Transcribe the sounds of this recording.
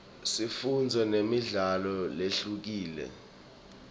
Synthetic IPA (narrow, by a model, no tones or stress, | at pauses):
sifund͡zʱɛnemiɮalɔleɬuk̬iːlɛ̰